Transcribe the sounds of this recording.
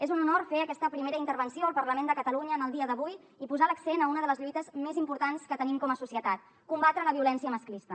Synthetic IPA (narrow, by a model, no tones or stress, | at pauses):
ezununoɾfeəkɛst̪əpɾimeɾəint̪əɾβənsioəlˠpəɾləmend̪əkət̪əluɲəːnəlˠd̪iəðəβuj | ipuzaləksenəunəðələzʎujt̪əzmezimpuɾt̪anskət̪ənimkɔməsusiət̪at̪̚ | kumbat̪ɾələβiulɛnsiəməsklist̪ə